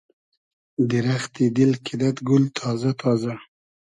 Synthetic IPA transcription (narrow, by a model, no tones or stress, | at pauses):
d̪iɾaxt̪id̪ɪlkʰid̪at̪ɡʊlt̪ʰɑːzat̪ʰɑza